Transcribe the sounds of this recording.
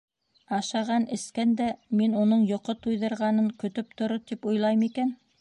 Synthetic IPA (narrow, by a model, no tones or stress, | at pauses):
ɑʃɑʁɑnʔɘ̆skænd̪æminunɤɴjŏqot̪ujðɤ̆ɾʁɑnɤŋkɵ̆t̪ɵp̚t̪ŏɾot̪ipŏjlˠɑjmikæn